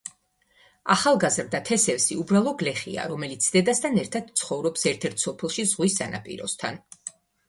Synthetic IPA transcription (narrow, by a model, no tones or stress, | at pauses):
aχalˠɡazɾd̪at̪ʰɛsɛfsiubɾalˠɔɡlɛχḭa̰ɾɔmɛlit̪sʰd̪ɛd̪ast̪ʰanɛɾt̪ʰad̪̥̚t̪sʰχɔvɾɔpsɛɾt̪ʰɛɾt̪ʰsɔpʰɛlˠʃizʁwisːanʔa̰pʼḭɾɔ̰st̪ʰan